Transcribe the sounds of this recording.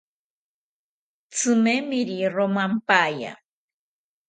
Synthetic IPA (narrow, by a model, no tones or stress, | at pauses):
t͡sɨmemiɾiromampaːja̰